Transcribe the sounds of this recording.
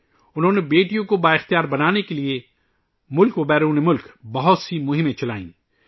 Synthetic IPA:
ʊnɦõːnebeːʈijõkobaːɪxt̪ijaːɾbɐnaːnekelie | mʊlkʋɐbɛːɾõnemʊlkbɐɦʊt̪simʊɦɪ̃mẽt͡ʃɐlaːḭ̃ː

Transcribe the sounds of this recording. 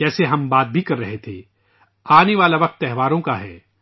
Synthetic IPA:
ɛːseɦɐmbaːt̪̚bʱikɐɾːɐɦet̪ʰḛː | aːneʋaːlaʋɐq̚t̪ːɛɦʋaːɾõkaɦɛ̰ː

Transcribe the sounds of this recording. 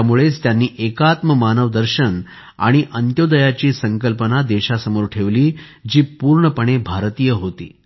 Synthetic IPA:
muɭest̪janːiːʔekat̪məmanəʋd̪əɾɕən | a̰ɽ̃iʔənt̪jod̪əjat͡ɕiːsəŋkəlpənad̪eɕasəmoɾʈʰeʋliː | d͡ʑiːpuːɾɳəpəɳ̃ebʱaɾt̪ijəɦot̪ḭː

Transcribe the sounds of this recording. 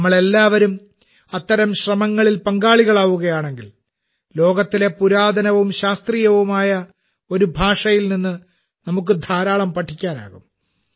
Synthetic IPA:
mːɐɭe̞lːaːʋɐɾum | ɐt̪ːɐɾɐmɕrɐmɐŋːɐɭilpɐŋɡaːɭiɣɐɭaːʋuɣɐjaːɳe̞ŋɡil | lo̞ːɡɐt̪ːile̞puɾaːd̪ʱɐnɐʋumɕaːst̪riːjɐʋumaːjɐ | o̞ɾubʱaːʂɐjilninːɨ | nɐmuk̬ːɨd̪ʱaːɾaːɭɐmpɐʈʰːikʲːaːna̰ːɣum

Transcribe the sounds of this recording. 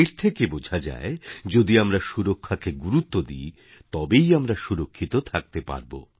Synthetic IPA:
iɾt̪ʰekebod͡ʑʱad͡ʑa̰ed͡ʑod̪iamɾaʃuɾokʰːakeɡuɾut̪ːod̪i | t̪ɔbejamɾaʃuɾokʰːit̪ot̪ʰak̚t̪epa̰ɾbo̰

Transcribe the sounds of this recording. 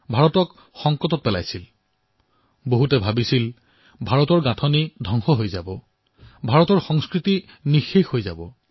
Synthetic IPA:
bʱaɹɔtɔk | xɔŋkɔtɔt̚pɛla̰jsil | boɦutɛbʱabisil | bʱaɹɔtɔɹɡatʰɔnidʱɔŋxɔɦojzabɔ | bʱaɹɔtɔɹxɔŋskɹiti | nixexhojza̰bɔ

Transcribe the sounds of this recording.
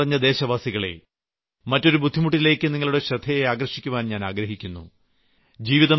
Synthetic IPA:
rɐɲːɐd̪e̞ːɕɐʋaːsiɣɐɭe̞̰ | mɐtːo̞ɾubud̪ʱːimuʈ̬ːile̞ːkːɨniŋːɐɭuɽeɕɾɐd̪ʱɐjeaːɡrɐʂikʲːuʋaːnɲaːnaːɡɾɐɦikʲːunːṵ | d͡ʑiːʋiðɐ

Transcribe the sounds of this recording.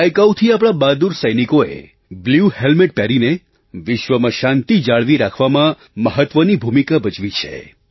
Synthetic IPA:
əjkawt̪ʰiap̬ɽ̃abad̪uɾsəjnikoḛ | bljuhelmɪʈ̚pɛɾine | ʋɪʃʋəmãʃãnt̪id͡ʒaɭʋiɾakʰʋamã | məɦət̪ʋənibʱumikabət͡ʃʋit͡ʃʰḛ

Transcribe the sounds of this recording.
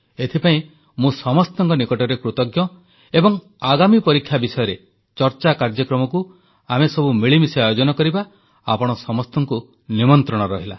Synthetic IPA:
et̪ʰipaĩ | mũsɔmɔst̪ɔŋkɔnikɔʈɔɾekɾut̪ɔɡjɔ | ebɔŋ | aɡamipɔɾikʰːjabisɔjɔɾe | t͡ʃɔɾt͡ʃakaɾd͡ʒɔkɾɔmɔku | amesɔbumiɭimisiajod͡ʒɔnɔkɔɾiba | a̰pɔɽ̃ɔsɔmɔst̪ɔŋku | nimɔnt̪ɾɔɽ̃ɔɾɔɦila̰

